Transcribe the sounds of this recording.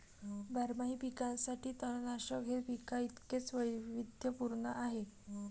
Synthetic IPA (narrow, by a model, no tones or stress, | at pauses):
bʱaɾmaɦiːpikãnsaʈʰiːt̪əɽnaɕəkɦepikait̪ket͡sʋəjʋid̪ʱjəpuɾɳəʔaɦe